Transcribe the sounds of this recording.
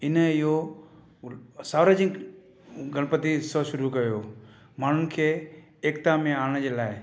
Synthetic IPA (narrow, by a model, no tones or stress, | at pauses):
ɪnəɪɦo | saːʋɾaːd͡ʑɪk | ɡʱɐɽ̃pət̪isɔʃʊɾukɐjo | maːn̤ʊnɪ̆kʰeː | kt̪amẽaːɽ̃d͡ʑeːlaːɪ